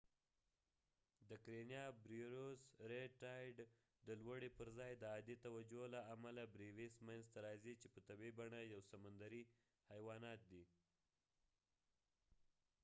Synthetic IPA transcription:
d̪əkɾenjɑbɾiɾosɾeʈɑjɖ | d̪əlwəɽipəɾzɑjd̪əɑd̪it̪awad͡ʒolaamalabɾiwismanzt̪aɾɑzit͡ʃepət̪abibaɳajawsamand̪aɾi | hajwɑnɑt̪̚d̪i

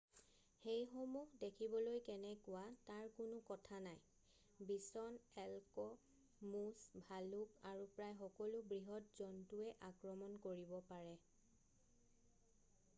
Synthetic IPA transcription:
xejxomuɦdekʰibɔlojkɛnɛkʊwataɹkʊnʊkɔtʰanaj | bisɔnɛlkɔ | musbʱalukaɹupɹajxɔkɔlʊbɹiɦɔt̚zɔntuɛʔakɹɔmɔnkoɹibɔpaɹɛ

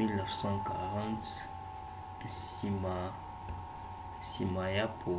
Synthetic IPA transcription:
ilnəfsɑ̃ka̰ʁɑ̃t̪ | sima | simajapʰo

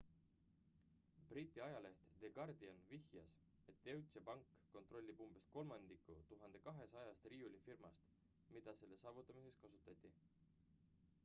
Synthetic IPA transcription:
b̥rit̪ʲːˑiɑjɑle̞ht̪d̪̥e̞ɡɑrd̪iɑnvihjɑ̰s | e̞t̪ːe̞wt̪sepɑŋkːo̞nt̪ro̞lʲːibumb̥e̞st̪̚ko̞lmɑnd̪ikːˑṵt̪uɦɑnd̪̥e̞kɑɦe̞sɑjɑst̪rijulʲifirmɑst̪ | mid̪̥ɑse̞lːe̞sɑːvut̪ːˑɑmise̞kskɑsut̪ːˑɑt̪ʲːˑi

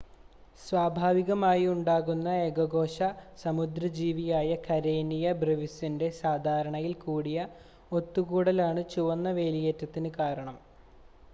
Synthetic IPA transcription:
sʋaːbʱaːʋiɣɐmaːjiuɳɖaːɣunːɐeɡɐɣo̞ːɕɐsɐmud̪ɾɐd͡ʑiːʋijaːjɐkɐɾeːnijɐbreʋisinde̞saːd̪ʱaːɾɐɳɐjilkuːɽijɐ | o̞t̪ːuɣuːɽɐlaːɳɨt͡ɕuʋɐnːɐʋe̞ːlijeːtːɐt̪ːinɨkaːɾɐɳɐm

